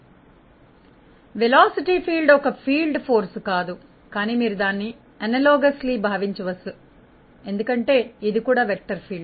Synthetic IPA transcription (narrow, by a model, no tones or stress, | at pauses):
ʋɛlaːsiʈiːpʰiːlɖɔkɐpʰiːlɖpʰoːɾskaːd̪u | kaːniːmiːɾud̪aːnːi | ɐnɐlɔːɡɐsliːbʱaːʋiɲt͡ʃɐʋɐsːu | e̞nd̪ukɐɳʈe̞ːid̪ikuːɽaːʋɛk̚ʈːɐɾpʰiːlɖ